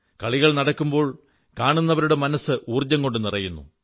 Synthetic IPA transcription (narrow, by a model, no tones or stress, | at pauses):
kɐɭiɣɐɭnɐɽɐkːumbo̞ːɭ | kaːɳunːɐʋɐɾuɽe̞mɐnɐsɨʔuːrd͡ʑɐŋko̞ɳɖɨnirɐjunːṵ